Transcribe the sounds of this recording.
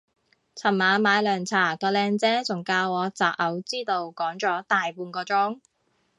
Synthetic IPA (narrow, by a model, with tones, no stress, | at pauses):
t͡sʰɐ˨˩mːaː˨˧maː˨˧jlœː˨˩ŋt͡sʰaː˨˩k̪ɔː˧lɛː˧ŋt͡sɛː˥t͡sʊ˨˩ŋkaː˧wɔː˨˧t͡saː˨p̚ʔɐ˨˧wt͡siː˥t̪o˧wkɔː˨˥ŋt͡ʃɔː˨˥t̪aː˨jpuː˧nkɔː˧t͡sʊ˥ŋ